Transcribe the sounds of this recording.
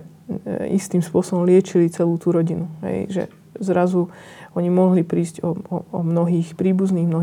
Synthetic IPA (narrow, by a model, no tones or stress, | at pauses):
ḭst̪iːmspʊɔsɔbɔmlɪɛt͡ʃilit͡sɛluːt̪uɾɔɟinuɦɛ̰jʒɛ̰ | zɾazuɔɲimɔɦlipɾiːzɟɔɔɔmnɔɦiːxpɾiːbuzniːɣmnɔɦ